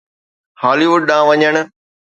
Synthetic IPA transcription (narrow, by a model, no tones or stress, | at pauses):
haːliʋʊɖ̚ɗãːʋɐɲəɽ̃ʊ̆